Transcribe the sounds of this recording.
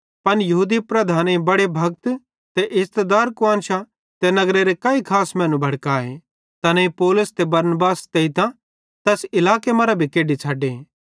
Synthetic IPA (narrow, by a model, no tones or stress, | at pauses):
pɐnjɐɦuːd̪ipɾɐd̪ʱaːnebɐɽebʱɐɡ̚t̪ | t̪eʔɪst̪ed̪aːɾkʊãːnʃa | t̪enɐɡɾeɾekaːikʰaːsmɛ̃ːnũbʱɐɽkaːḛ | t̪ɐnẽipoːlʊst̪ebɐɾnbaːst̪eit̪ã | t̪ɛsɪlaːkemɐɾabʱikeːɖit͡ʃʰaːɖe